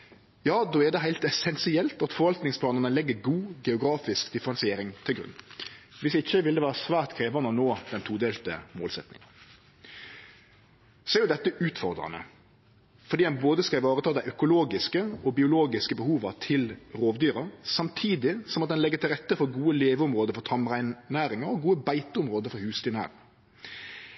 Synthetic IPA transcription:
jɑːd̪oːɛd̪ɛɦæɪlt̪ɛsɛnsɪɛlt̪ɑt̪fɔɾʋɑlt̪nɪŋspʰlɑːnənəlɛɡːəɾɡuːɡɛʊɡɾɑːfɪskd̪ɪfəɾɛnsɪeːɾɪŋt̪ʰɪlɡɾʉ̰nʋɪsɪçːəʋɪld̪ɛʋæːɾəsʋæːʁt̪kʰɾeːʋɑnənoːd̪̥ɛnt̪ʰuːd̪eːlt̪ə̰moːlsɛt̪nɪ̰ŋən | sɔæɾjʊd̪ɛt̪ːəʔʉːt̪fɔʁd̪ɾɑ̰nə̰ | fɔɾdiːd̪ɛnboːd̪əskɑʋɑːɾət̪ʰɑːd̪æɪœkʊloːɡɪskəɔbɪʊloːɡɪskəbəhuːʋɑt̪ʰɪlɾoːʋd̪yːɾɑsɑmt̪ʰiːd̪ɪsɔmɑt̪̚d̪ɛnlɛɡːət̪ɪlʁɛt̪ːəfɔɾɡuːəleːʋəʊmʁoːd̪əɾfɔɾt̪ʰɑmʁæɪnnæːɾɪŋɑɾɔɡuːəbæɪt̪əʊmɾoːd̪əɾfɔhʉːst̪ɪnæ̰ːɾɪŋ

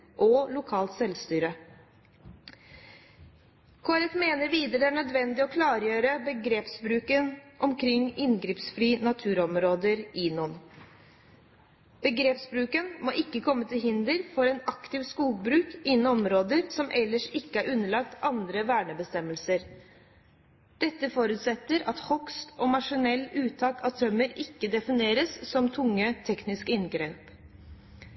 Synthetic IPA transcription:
ʔɔlʊkʰɑːlt̪sɛlst̪yːɾə | kʰoːɾɛt̪meːnəɾʋiːd̪əɾəæɳœd̪ʋɛnd̪ɪɔkʰlɑːɾjøːɾəbəɡɾeːpsbɾʉːkənʔɔmkʰɾɪŋːɪnɡɾiːpsfɾiːnɑt̪ʰʉːɾɔmɾoːd̪əɾʔɪːnɔn | b̥əɡɾeːpsbɾʉːkənmoːʔɪkːəkʰɔmːət̪ʰɪlɦɪnd̪əɾfɔɾɛnɑkt̪ɪʋskuːɡ̚bɾʉːkɪnnɔmɾoːd̪əɾsɔmʔɛlːəʂɪkːəæɾʔʉnːəɭɑk̚t̪ɑnd̪ɾəʋæːɳəbəst̪ɛmːəlsəɾ | d̪̥ɛt̪ːəfoːɾʉːt̪sɛt̪ːəɾɑt̪hɔkst̪ʰɔːmɑʂɪnɛlːʉːt̪ʰɑːkɑt̪ʰɾœməɾɪkːəd̪ɛfɪneːɾəssɔmt̪ʰʊŋːət̪ʰɛknɪskɪnɡɾeːp

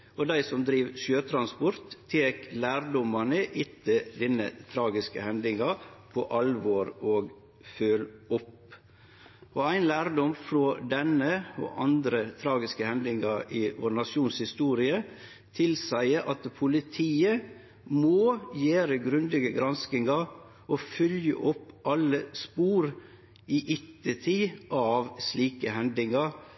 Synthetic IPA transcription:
ɔd̪æɪsɔmd̪ɾiːʋʃøːt̪ʰɾɑnspɔɾt̪ʰːeːklæːɾɖ̪ɔmɑnəʔɪt̪ːəd̪ɪnːə̰t̪ʰɾɑːɡɪskə̰hɛnd̪ɪŋɑpʰɔʔɑlʋoːɾoːɡ | føːlɔp | ʔɔæɪnlæːɾd̪ɔmfɾoːd̪ɛnːəɔ̰ʔɑnd̪ɾət̪ʰɾɑːɡɪskəhɛnd̪ɪŋɑʔɪʋo̰ːɾnɑʂuːnshɪst̪uːɾɪə | t̪ʰɪlsæɪəʔɑt̪pʰʊlɪt̪ʰiːə | moːjeːɾəɡɾʉnd̪ɪɡəɡɾɑnskɪŋɑ | ɔfʏljə̰ʔɔpːʔɑlːəspuːɾ | iːʔɪt̪ːət̪ʰiːʔɑʋsliːkəhɛnd̪ɪŋɑɾ

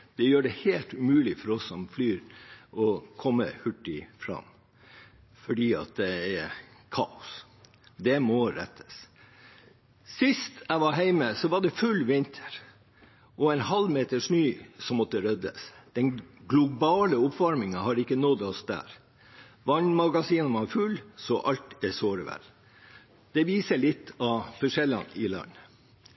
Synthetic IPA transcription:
d̪̥ɛjøːɖɛheːlt̪ʉmʉːlɪfɔɾɔsːɔmflyːɾɔkʰɔmːə̰hʉʈːɪfɾɑ̰m | fɔɖiːɑ̰t̪̚d̪ɛɛkʰɑ̰ːʊs | d̪ɛmɔɾɛ̰t̪ʰːə̥s | sɪst̪æɪʋɑɾɦæɪməsɔʋɑɖɛfʉlʋɪnt̪ʰə̥ɾ | ʔɔɛɪnhɑlmeːt̪əʂnyːsɔmɔt̪ːəɾœd̪ə̰sd̪̥ɛnɡlʊbɑːləʊpfɑɾmɪŋɑhɑɾɪkːənɔd̪ɔsd̪æ̰ːɾ | ʋɑnːmɑɡɑsiːnʋɑfʉlsɔʔɑlt̪ɛsoːɾəʋɛ̰l | d̪̥ɛʋiːsəlɪt̪ːɑfɔʂɛlːɑ̰nɪlɑ̰nː

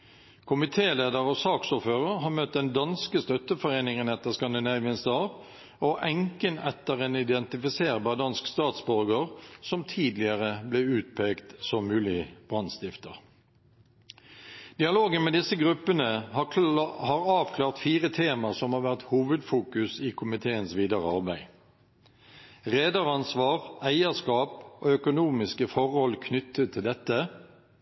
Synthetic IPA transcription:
kʰʊmɪt̪ʰeːleːd̪əʁɔsɑːksuːɾføːʁəʁɦɑːʁmœt̪̚d̪ɛnd̪ɑnskəst̪œt̪ːəfɔʁeːnɪŋənɛt̪ːəʁskɑnd̪ɪnæɪʋɪnsd̪ɑːʋ | ɔʔɛŋkənɛt̪ːəʁeːnɪd̪ɛnt̪ɪfɪseːʁbɑːʁd̪ɑnskst̪ɑːt̪sbɔʁɡəʁsɔmt̪ʰiːd̪lɪəʁəblɛʉːt̪̚pʰeːkt̪sɔmmʉːlɪb̥ʁɑnst̪ɪft̪ə̰ʁ | d̪̥ɪɑloːɡənmeːd̪ɪsəɡʁʉpːənəhhɑʁɑːʋkʰlɑːʁt̪fiːʁət̪ʰeːməʁsɔmhɑːʁʋæʁt̪huːʋəd̪fuːkʉsɪkʰʊmɪt̪ʰeːənsʋiːd̪ɑʁəɑʁbæɪ | ʁeːd̪ɑʁɑnsʋɑːʁæɪəʁskɑːpoːœkʊnuːmɪskəfɔʁhɔlkʰnʏt̪ʰːət̪ʰːɪld̪ɛt̪ːə

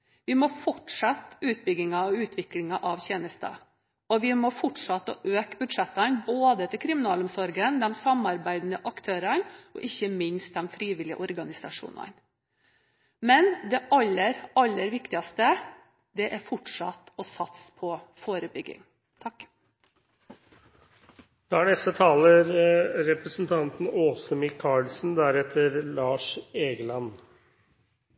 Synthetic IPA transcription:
ʋɪmɔfɔʈʂɑt̪ːʉːt̪̚bʏɡɪŋɑɔʉːt̪ʰʋɪklɪŋɑʔɑʋçeːnəst̪ɑ̰ | ɔʋɪmɔfɔʈʂɑt̪ːɔʔøːkbʉd̪ʂɛt̪ːɑnboːd̪ət̪ʰɪkʰɾɪmɪnɑːlɔmsɔɾɡənd̪ɛmsɑmɑɾbæɪd̪nəʔɑkt̪ʰøːɾənɔ̰ʔɪçːəmɪnst̪̚d̪ɛmfɾiːʋɪlɪəʔɔɾɡɑnɪsɑʂṵːnɑ̰n | mɛnd̪ɛʔɑlːəɾɑlːəɾʋɪkt̪ɪɑst̪ə | d̪ɛʔæɾfɔʈʂɑt̪ɔsɑt̪spʰɔfoːɾəbʏɡɪ̰ŋ | t̪ʰɑk | d̪̥ɛæɳɛst̪ət̪ʰɑːləɾɾɛpɾəsnt̪ʰɑnt̪n̩oːsəmɪkʰːɑɭsn̩d̪æɾɛt̪ːəɾlɑːʂeːɡəlɑn

